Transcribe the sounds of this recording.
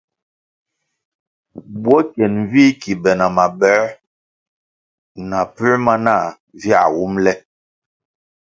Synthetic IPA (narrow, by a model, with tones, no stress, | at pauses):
bwɔ˦kjɛ˨n˨vi˦ki˨bɛ˨na˨ma˨bɛ˨˦ | na˨pʉ˦ma˦na˦˨ | vja̰˨wu˦mlɛ˦